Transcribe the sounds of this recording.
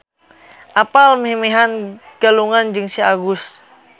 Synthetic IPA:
ʔapalmɦemeɦanɡ̥aluŋand͡ʒɨŋsiaɡʊs

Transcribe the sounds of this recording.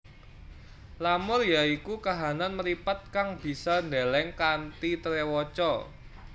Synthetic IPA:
lamʊrjaikukaɦananməɾipat̪̚kaŋb̥i̤sɔnd̪elɛŋkant̪it̪əɾewɔt͡ʃɔ

